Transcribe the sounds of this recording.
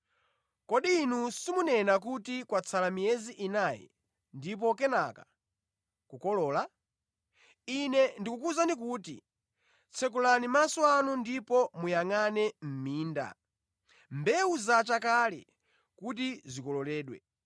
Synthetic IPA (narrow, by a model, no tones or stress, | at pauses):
kɔɗiːnusimunɛnak̬utikwat͡sʰalamijɛziʔinaːjɛ̰ | ndip̬ɔk̬ɛnaka | kukɔlɔːla | inɛndikukuzandik̬uːtḭ | t͡sʰɛk̬ulanimasɔanundipɔmujaŋanɛm̩miːnda̰ | mbɛuzat͡ʃakalɛ̰ | kut̬izikɔlɔlɛːɗwɛ̰